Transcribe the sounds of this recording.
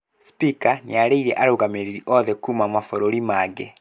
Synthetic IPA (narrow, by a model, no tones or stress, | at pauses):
spikaniaɾeiɾɛʔaɾoɣameɾiɾiʔɔðɛkumamafɔɾoɾimaɡɛ